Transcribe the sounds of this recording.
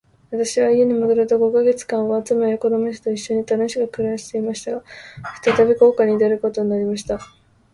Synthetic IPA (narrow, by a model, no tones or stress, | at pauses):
βat̪aɕiβaie̞ɲ̟imɯd̪ɯɾɯ̟t̪oɡo̞kaɡe̞t͡sɨ̥kãɰ̃oat͡sɨmeoko̞d̪omeɕ̬e̥t̪o̞iɕːo̞ɲ̟it̪ano̞ɕiɡakɯ̟ɾaɕi̥t̪e̞imaɕi̥t̪aɡaɸɯ̟̥t̪at̪abʲeko̞ːkaɲ̟id̪eɾɯ̟ko̞t̪o̞ɲ̟inaɾʲimaɕ̬i̥t̪a